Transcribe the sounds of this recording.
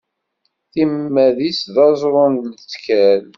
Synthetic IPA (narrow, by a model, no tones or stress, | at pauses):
θimːæðisðɑzˤɾˤʊnlət͡sːkæl